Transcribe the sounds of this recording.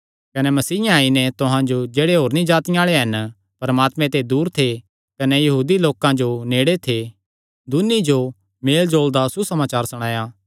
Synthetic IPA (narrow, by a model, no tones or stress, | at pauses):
kɐnɛmɐsiːjãaːinɛt̪ʊɦãd͡ʒod͡ʒeːɽeɦoːɾnĩd͡ʒaːt̪ɪj̃aːɭeɦɐn | pɐɾəmaːt̪mɛ̃t̪ed̪uːɾt̪ʰe | kɐnɛjɐɦuːd̪iloːkãd͡ʒoneːɽet̪ʰe | d̪ʊnid͡ʒo | meːld͡ʒoːld̪asusɐmaːt͡ʃaːɾsɐɽ̃aːja